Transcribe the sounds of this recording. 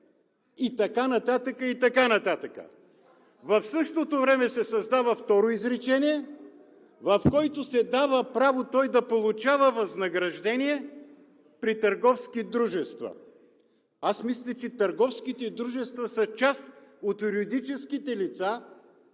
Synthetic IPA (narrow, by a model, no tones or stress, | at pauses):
it̪ɐkanɐt̪at̪əkəit̪ɐkanɐt̪at̪əkə̰ | vɐfsɤʃt̪ot̪ovɾɛmɛsɛsɐzd̪avəft̪ɔɾoizɾɛt͡ʃɛniɛ | vɐfkɔjt̪osɛd̪avəpɾavot̪ɔjd̪ɐpolˠʊt͡ʃavəvɐznɐɡɾɐʒd̪ɛniɛ | pɾit̪ɐɾɡɔfskid̪ɾuʒɛst̪və̰ | asmislʲɐt͡ʃɛt̪ɐɾɡɔfskit̪ɛd̪ɾuʒɛst̪vəsɐt͡ʃast̪ot̪juɾid̪it͡ʃɛskit̪ɛlit̪sa